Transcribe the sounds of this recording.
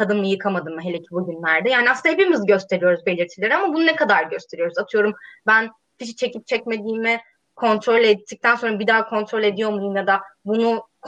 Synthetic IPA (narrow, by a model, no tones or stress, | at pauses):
kʰad̪ɯnmɯjɯkʰamad̪ɯmːɯɦe̞lʲecʰibuɟynlʲæɾd̪ɛjaːniasahepimizɟø̞st̪ʰe̞ɾijo̞ɾuzbe̞lʲiɾt̪ʰilʲeɾiamabununɛkad̪aɾɟø̞st̪ʰe̞ɾijo̞ɾuzat̪ʰɯjo̞ɾumbæn | fiʃi̥t͡ʃʰe̞cip̚t͡ʃʰɛcme̞d̪iːmi | kʰo̞nt̪ʰɾo̞lʲet̪ʰːic̚t̪ʰænso̞nɾabid̪aːkʰo̞nt̪ʰɾo̞lʲe̞d̪ijo̞muj̪umjad̪abunuk